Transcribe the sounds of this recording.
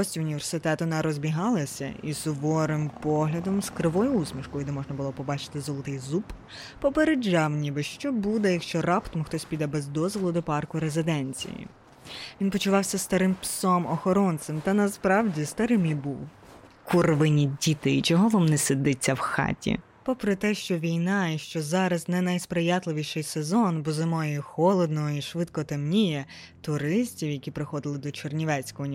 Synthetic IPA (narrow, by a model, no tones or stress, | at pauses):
ɔsʲtʲʊnʲiʋe̞rsɪt̪ɛt̪ɔnɐɾɔzʲbʲiɦɑlˠɐsʲɐ̰isʊʋɔɾɪmpɔɦlʲɐd̪ɔmskɾɪʋɔjʊusmʲiʃkɔjʊd̪ɛmɔʒnɐbʊlˠɔpɔbɑt͡ʃɪ̥t̪ɪzɔlˠɔt̪ɪjzup | pɔpeɾed͡ʒɑwnʲibɪʃt͡ʃɔbud̪ɛjɐkʃt͡ʃɔrɑpt̪ɔmʊxt̪ɔsʲpʲid̪ɑbɛzd̪ɔzʋɔlˠʊd̪ɔpɑrkʊɾezɪd̪ɛnʲt͡sʲḭjḭ | ʋʲinpɔt͡ʃʊʋɑwsʲɐst̪ɐɾɪmpsɔmɔxɔɾɔnt̪semt̪ɐnɐspɾɑwdʲist̪ɐɾɪmibuw | kurʋɪnʲidʲit̪ɪit͡ʃɔɦɔʋɔmnɛsɪd̪ɪt͡sʲːɐwxɑ̰tʲḭ | pɔpɾɔt̪ɛʃt͡ʃɔʋʲijnɑiʃt͡ʃɔzɑɾɐznɛnɐjspɾɪjɑt̪lˠɪʋʲiʃɪjsezɔnbɔzɪmɔjixɔlˠɔd̪nɔɦɔiʃʋɪt̪kɔt̪ɐmnʲijɛ | t̪ʊɾɪsʲtʲiwjɐkʲipɾɪxɔd̪ɪlˠɪd̪ɔt͡ʃɔrnʲiʋɛt͡sʲkɔɦɔnʲ